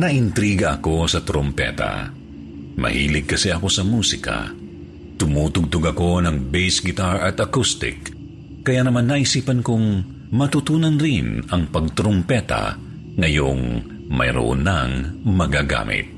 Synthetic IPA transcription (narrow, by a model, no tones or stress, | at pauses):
nɐʔɪnt̪ɾiːɡɐʔɐko̞sɐt̪ɾompɛ̰t̪a̰ | mɐ̰hḭːlɪɡ̚kɐsɛɐko̞sɐmuːsɪka̰ | t̪ʊmuːt̪ʊɡ̚t̪ʊɡɐko̞nɐŋbɛjsɡɪt̪aɹʔɐt̪ɐkust̪ɪ̰kː | ɐjanɐmanːɐʔɪsiːpɐnkʊŋ | mɐt̪ʊt̪uːnɐnɾɪnɐŋpɐɡ̚t̪ɾompɛt̪a̰ | ŋɐjoŋ | mɐ̰jɾo̰ʔo̰nːaŋmɐɡaɡa̰ːmɪ̰t̪̚